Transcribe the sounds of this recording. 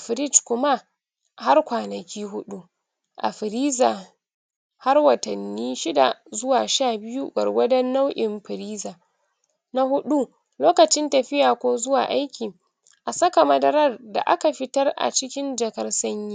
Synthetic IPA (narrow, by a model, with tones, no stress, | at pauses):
ʔa˨ɸɪ˨ɾɪ˦t͡ʃkʷʊ˦ma˦ | ha˦rkʷaː˨nɐ˨kʲiː˦ɦʊ˦ɗu˦ | ʔa̰˨ɸɪ˨ɾiː˦zaː˨ | ha˦rwɐ˨tɐ˨nːiː˦ʃɪ˦da̰˨zʊ˦waː˨ʃaː˦˨bɪ˦ju˦ɡɐ̰˨rɡʷɐ˦dɐ˦nːa˦wʔɪ˨mɸɪ˨ɾiː˦zaː˨ | na˦hʊ˦ɗu˦ | loː˦kɐ˨t͡ʃɪ˦ntɐ˨ɸɪ˦jaː˨kʷoː˦zʊ˦wa̰ː˨ʔa˦jkʲiː˨ | ʔa˨sɐ˦ka˨mɐ˦dɐ˦ɾɐ˦rda̰˨ʔa̰˦ka˨ɸɪ˦tɐ˦rʔa̰˨t͡ʃɪ˦kʲɪ˦nd͡ʒɐ˨kɐ˦rsɐ˦ɲjiː˦